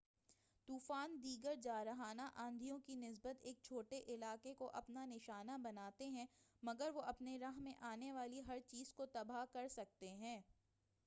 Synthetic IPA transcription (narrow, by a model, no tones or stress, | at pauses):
t̪uːfaːnd̪iːɡəɾd͡ʒaːɾɐɦaːnaʔãːnd̪ʱijõkinɪs̬bət̪eːk̚t͡ʃʰoːʈeʔɪlaːkekoʔɐpnanɪʃaːnabɐnaːt̪eɦɛ̃ːmɐɡəɾʋoʔɐpneɾɐɦmẽʔaːneʋaːliɦɐɾt͡ʃiːzkot̪ɐbaɦkɐɾsɐk̚t̪eɦɛ̃ː